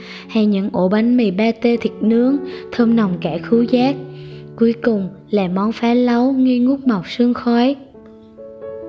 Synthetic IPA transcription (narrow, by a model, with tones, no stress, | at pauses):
ha˧jɲɨ̰˧˥ŋʔo˧˩ɓa˨˦ŋmi˨˩ɓaː˧t̪e˧t̪ʰi˨˩t̚nɨ˨˦˥əŋt̪ʰəː˧mna˨˩wŋ͡mkaː˧˩xɨ˨˦wzaː˦˥k̚ku˨˦əjkʊ˨˩ŋ͡m | laː˨˩mɔ˨˦nfaː˨˦lə˨˦wŋi˧ŋu˦˥k͡p̚ma˨˩wk͡p̚sɨ˧əŋxɔ˨˦j